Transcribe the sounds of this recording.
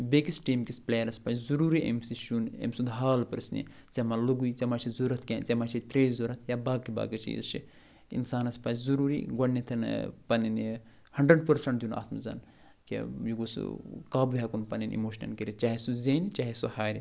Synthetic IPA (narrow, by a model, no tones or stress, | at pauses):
bekisʈʈiːmkisplejɐɾɐspant͡ʃzuɾuːɾiʔḛmsiʃunḛmsud̪ɦaːlpɐɾɨsnḭ | t͡semaluɡujt͡semat͡ʃʰizuɾɐt̪ʰkʲeːnt͡semaːt͡ʃʰit̪ɾeːzuɾɐt̪ʰjabaːɡkːiba̰ːɡɐt͡ʃʰḭjḭst͡ʃʰḭ | ḭnsaːnɐspanszuɾuːɾḭɡɐnnːit̪ʰɐnpɐnini | hɐɳɖɾɐɖ̚pɐɾsɐɳʈd̪juna̰ːt̪ʰmzɐ̰n | kḛjuɡoskaːbuɦakunpɐninʔḭmoːʃnɐ̰nkiɾit͡ʃaːɦisuzeːnt͡ʃaːɦisuhaːɾi